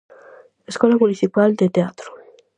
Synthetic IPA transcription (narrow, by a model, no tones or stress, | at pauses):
eskɔlamuliθipald̪et̪eat̪ɾo̥